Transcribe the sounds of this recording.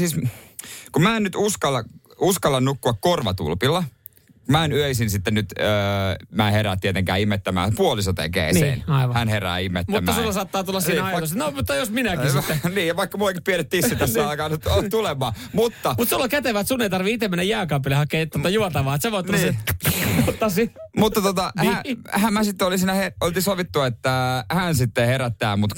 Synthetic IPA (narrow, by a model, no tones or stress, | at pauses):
siːs | kumæːennyt̪uskɑlːɑuskɑlːɑnnukːuɑkkorʋɑt̪ṵlpilːɑ | kumæenyøisinsit̪ːennyt̪øːmæːheɾæːt̪iet̪eŋkæ̰ːimːet̪ːæmæ̰ːpuolisot̪ḛkḛːnsḛːnɑiʋɑhænheræ̰ːimːet̪muæmːɑːsulːɑsɑːt̪ːɑːt̪ulːɑsiːnɑit̪osenomut̪ːɑjosminækiniːjɑʋɑikːɑmuɑkippieɾet̪t̪ːisːit̪æssːɑˑikɑːnt̪t̪ulemɑːmut̪ːɑmut̪sulːɑkæt̪eʋæt̪sunːeit̪ɑrʋiit̪emenːæjæːkɑmpːilːehɑkeːt̪ːot̪ːɑjuɑt̪ɑʋɑːt̪semot̪ːniːemut̪ːɑsimut̪ːɑt̪ot̪ɑhhæmmːæsit̪ːeolisiːnæheolt̪isoʋit̪ːuet̪ːæhænsit̪ːeheɾæt̪ːæːmut̪